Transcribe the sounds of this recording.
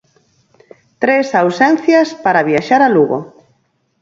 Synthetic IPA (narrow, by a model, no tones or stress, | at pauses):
t̪ɾesawsɛn̟θjɐspaɾaβjiaʃaɾaluɣo̰